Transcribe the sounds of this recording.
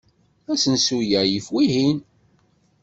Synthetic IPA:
æsənsujæjəfwiɦin

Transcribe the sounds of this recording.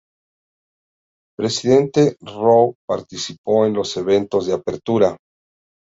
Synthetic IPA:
pɾe̞siðe̞nt̪e̞rowpa̰ɾt̪isipo̞enlo̞se̞βe̞nt̪o̞zðeapeɾt̪uɾa

